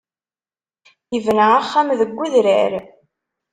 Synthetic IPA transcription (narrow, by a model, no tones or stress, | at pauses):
jəvənʕaχːæmðəɡʷːuðɾæ̰ɾ